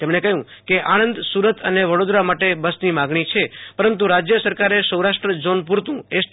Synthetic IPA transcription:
t̪emɳekəɦjũ | keʔanənd̪suɾət̪ʰəneʋəɽod̪ɾamaʈebəsnimãɡɳ̃it͡ʃʰepəɾənt̪̬uɾad͡ʒjəsəɾkaɾesəwɾaʂʈɾəd͡ʒonpuɾt̪ũe

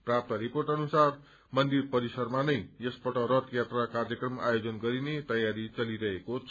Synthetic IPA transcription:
prap̚t̪ʌɾiporʈʌnusar | mʌnd̪irpʌɾisʌrmanʌjjʌspʌʈʌɾʌt̪jat̪rakarjʌkrʌma̰jod͡zʌnɡʌɾinet̪ʌjaɾit͡sʌliɾʌɦeko

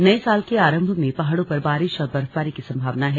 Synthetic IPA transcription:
nɐesaːlkeaːɾə̃mbʱmẽpaɦaɽõpɐɾbaːɾɪʃɔːɾbɐɾpaːɾikisɐ̃mbʱaːʋnaɦɛ

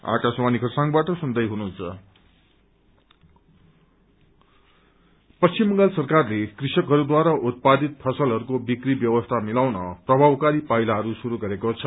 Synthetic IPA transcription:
a̰kaswanikʰʌrsãŋɡbaʈʌsund̪ʌjɦununt͡sʰʌ | pʌst͡simːʌŋɡʌlsʌrkarlekrisʌkɦʌɾud̪waɾaʔut̪̚pad̪it̪̚pʰʌsʌlɦʌɾukobikribjʌwʌst̪ʰamilawnʌ̰prʌbʱabkaɾipailaɦʌɾusuɾuɡʌɾekot͡sʰʌ

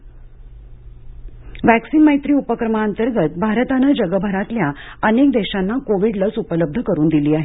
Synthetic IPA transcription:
ʋæksinməjt̪ɾiːupəkɾəmaənt̪əɾɡət̪bʱaɾət̪anəd͡ʑəɡəbʱəɾat̪ljaənek̚d̪eɕanːakoʋiɖləsupələb̚d̪ʱəkəɾuːnd̪iliːaɦe

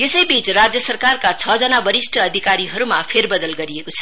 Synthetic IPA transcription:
jesʌjbit͡srad͡zjʌsʌrkarkat͡sʰʌd͡zʌnabʌɾisʈʰʌːd̪ʱikaɾiɦʌɾumapʰerbʌd̪ʌlɡʌɾiekot͡sʰʌ̥

